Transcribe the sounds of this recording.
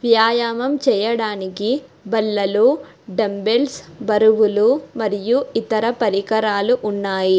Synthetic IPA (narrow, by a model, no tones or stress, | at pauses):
ʋjaːjaːmɐmt͡ʃɛːjɐɽaːnikibɐlːɐlu | ɖɐmbelsbɐɾuʋulumɐɾijuit̪ɐɾɐpɐɾikɐɾaːluʔunːaːji